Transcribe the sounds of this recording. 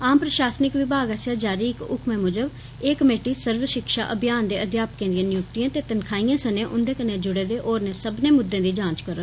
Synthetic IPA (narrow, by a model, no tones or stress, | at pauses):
aːmpɾəʃaːsnɪkʋɪbʱaːɡəsjaːd͡ʒaːɾiːɪkʊ̰kʰmẽːmʊd͡ʒəb | eːkəmeːʈiːsəɾʋəʃɪkʃa̰ːʔəbʱjaːnd̪eːəd̪jaːpəkẽːd̪ɪjãːnɪjʊk̚t̪ijãːt̪eːt̪ənkʰaːijãːsənẽːʔʊnd̪eːkəneːd͡ʒʊɽeːd̪eːʔoːɾneːsəbnẽːmʊd̪ːẽːd̪iːd͡ʒãːt͡ʃkəɾoː